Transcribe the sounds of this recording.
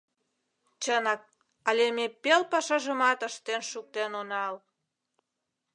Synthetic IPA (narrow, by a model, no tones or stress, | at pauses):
t͡ɕənɑk̚ | ɑlʲemepelpɑʃɑʒəmɑt̪əʃt̪enʃuk̚t̪enonɑl